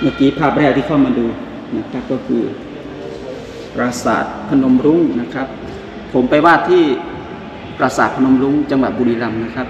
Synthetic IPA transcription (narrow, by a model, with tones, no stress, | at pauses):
maː˧˩kiː˧˦pʰaː˧˩p̚ɾɛː˧˩t̪i˧kʰa˧˩˨wmaː˧nduː˧ | na˧˥˩kʰa˦˥˩p̚kɔː˧˩kʰɯː˧˩ | pɾaː˧sa̰ː˨˩t̪̚pʰa˧no˧mɾu˧˥ŋna˧˥˩kʰa˦˥p̚ʰ | o˨˩˦mpa˧jwaː˥˩t̪ʰiː˧˥˩ | ɾaː˧saː˨˩t̪̚pʰa˧no˧˦mɾu˧˥ŋt͡ɕa˧ŋwa˨˩t̪̚buː˧ɾiː˧la˧mna˧˥kʰa˦˥p̚